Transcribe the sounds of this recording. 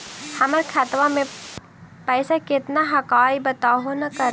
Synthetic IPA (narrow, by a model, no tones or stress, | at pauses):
hɐməɾkʰɐt̪ʋamẽ | pɛːsakɪt̪naɦɐkaːibɐt̪aːɦonɐkɐɾ